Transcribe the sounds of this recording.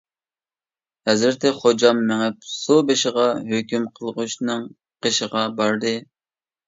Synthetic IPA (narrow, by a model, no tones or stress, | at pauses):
hɛzɪɾt̪ʰɪχod͡ʒɑmːɛŋæp̚subeʃɪʁɑɦøkʲymqʰəlˠəʁʊʃnɨŋ | qʰeʃəʁɑbɑɾd̪ɨ